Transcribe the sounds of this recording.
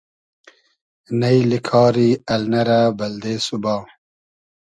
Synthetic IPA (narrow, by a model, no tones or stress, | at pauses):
nɐjlikʰɑːɾiɐlnɐɾabɐld̪eːsubaː